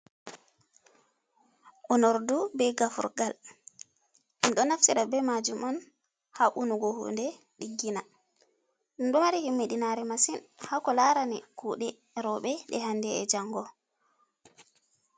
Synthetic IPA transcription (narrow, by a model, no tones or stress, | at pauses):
ʔɔnɔɾdubɛɡafṵɾɡal | ɗɔnaftiɾabɛmad͡ʒumɔn | haʔunuɡɔhṵndɛ | ɗiɡːina | ɗnɗɔmaɾihimːiɗinaɾɛmasinhakɔlaɾanɛkuːɗɛ | ɾɔɓɛɗɛhandɛɛ̰d͡ʒaŋɡɔ